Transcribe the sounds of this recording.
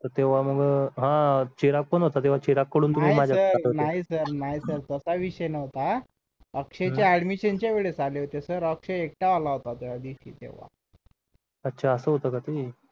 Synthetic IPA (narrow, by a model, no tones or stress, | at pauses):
t̪əɾt̪eʋ̤aməɡɦãt͡ɕiɾak̚pəɳɦot̪at̪eʋ̤at͡ɕiɾakːəɽuːnt̪um̤iːmad͡ʑʱaəɾɦnaɦisəɾnaisəɾt̪əsaʋiɕəjnəʋt̪a | əkʂet͡ɕjaɛɽmiɕənt͡ɕaʋeɭet͡saleɦot̪esəɾəkʂeek̚ʈaʋalaɦot̪at̪ujad̪iɕḭːt̪ḛʋ̤a̰ | ətːɕʰaəsəːɦot̪əkat̪i